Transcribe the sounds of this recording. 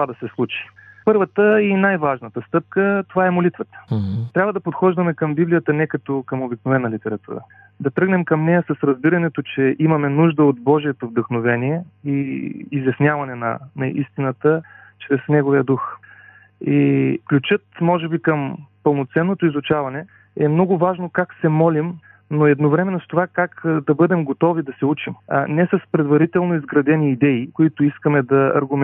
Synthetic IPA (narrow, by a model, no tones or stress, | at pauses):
t̪ovad̪ɐsɛslˠut͡ʃi̥pɤɾvət̪əinajvaʒnət̪əst̪ɤp̚kət̪ovaɛmolit̪vət̪ə̥t̪ɾʲabvəd̪ɐpot̪xɔʒd̪ɐmɛkɐmbiblijət̪ənɛkɐt̪okəmobiknovɛnːɐlit̪ɛɾɐt̪ṵɾə̰ | d̪ɐt̪ɾɤɡnɛmkɐmnɛjəsɐsɾɐzbiɾɐnɛt̪ot͡ʃɛʔimɐmɛnuʒd̪əot̪bɔʒiɛt̪ovd̪əxnovɛniɛiːzjɐsnʲjavɐnɛnɐ̰nɐʔist̪inət̪ə | t͡ʃɾɛsnɛɡoviəd̪ux | iklʲut͡ʃɤt̪mɔʒɛbikəmpəlˠnot̪sɛnːot̪oizʊt͡ʃavɐnɛ | ɛmnɔɡʊvaʒnokaksɛmɔlʲim | noɛd̪novɾɛmɛnost̪ovakakd̪ɐbɤd̪ɛmɡot̪ɔvid̪ɐsɛut͡ʃimnɛsɐspɾɛd̪vɐɾit̪ɛlˠnoizɡɾɐd̪ɛniːd̪ɛikoit̪ʊiskəmɛd̪ɐɐ̰ɾɡʊm